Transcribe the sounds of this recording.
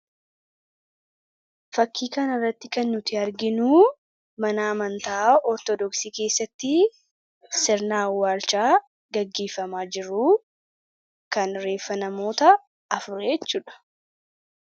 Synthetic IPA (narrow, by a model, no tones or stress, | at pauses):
fɐkːiːkɐnɪrːɐt̪ːɪkɐnːʊt̪ɪɐɾɡɪnuː | mɐnaːmɐnt̪aɔɾt̪ɔd̪ɔksiːke̞ːsːɐt̪ːɪ | sɪɾnaːwːaːɾt͡ʃaː | ɡɐɡːe̞ːfːɐmaːd͡ʒɪɾuː | kɐnɾe̞ːfːɐnɐmo̞ːt̪ɐː | fʊɾɛjɛt͡ʃːuːᶑɐ̥